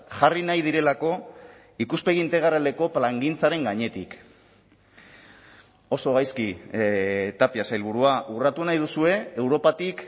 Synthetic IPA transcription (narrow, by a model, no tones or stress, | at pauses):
ʝarinajð̞iɾe̞lako̞ | ikuspe̞ɣiːnt̪e̞ɣ̞aɾald̪e̞ko̞plaŋɡint͡saɾe̞ŋɡaɲe̞t̪ḭk | o̞so̞ɣajski | t̪apiasajlβ̞uɾuaʔurat̪unajðusue̞ewɾo̞pat̪ik